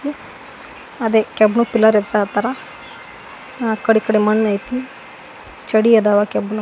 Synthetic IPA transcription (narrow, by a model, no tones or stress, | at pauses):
i | ɐd̪ekɛbnupilɐɾebsat̪ɐɾa | akɐɽikɐɽemɐnːɐjt̪i | t͡ʃɐɽiɐd̪aʋakɛbnu